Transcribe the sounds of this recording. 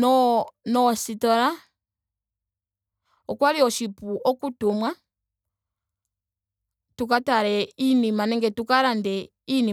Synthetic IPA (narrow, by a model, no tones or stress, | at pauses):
nɔnɔsitɔɾa | ɔkwaɾiɔʃipuʔɔkutumwa | tukataɾɛinimanɛŋɡɛtukaɾandɛ | ini